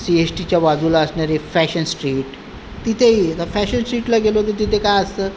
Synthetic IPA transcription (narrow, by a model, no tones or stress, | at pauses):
siesʈit͡ɕjaʋad͡zulaəsɳaɾefæɕənsʈɾiːʈ | t̪it̪ʰeid̪əfæɕənsʈɾiːʈlaɡelot̪əɾt̪̬it̪ʰekajəst̪ə